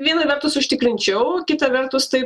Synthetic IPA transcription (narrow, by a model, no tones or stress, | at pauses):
ʋʲiɛnɐʋʲɛɾt̪ʊsʊʃʲt̪ʲɪkɾʲɪnʲt͡ʃʲɛʊkʲɪt̪ɐʋʲɛrt̪ʊst̪ɐɪp